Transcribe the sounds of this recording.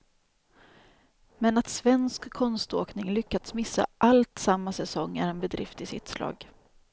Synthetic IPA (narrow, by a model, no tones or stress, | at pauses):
mɛnat̪svɛnskʰːɔnst̪oːknɪŋlʏkːad̪̥smɪsːa̰ʔalt̪samːasɛsɔŋːæ̰ɾɛnbɛd̪ɾɪ̰ft̪ɪsɪ̰t̪slʔɑ̰ːɡ